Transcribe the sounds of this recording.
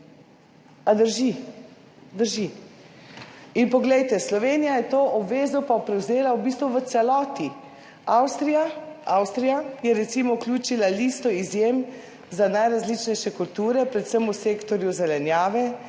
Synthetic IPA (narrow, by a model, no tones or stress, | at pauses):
ad̪əɾʒi | d̪əɾʒi | inpɔɡlɛjt̪ɛslɔʋeːnijajɛt̪oːʔɔbʋeːzɔpapɾɛwzeːlaubiːst̪ʋuʋət̪sɛlɔːt̪i | awst̪ɾijaawst̪ɾijajɛɾɛt̪simɔklʲuːt͡ʃilaliːst̪ɔizjem | zanajɾazlit͡ʃnɛjʃɛkult̪uːɾɛpɾɛt̪səmuseːkt̪ɔɾjuzɛlɛnjaːʋɛ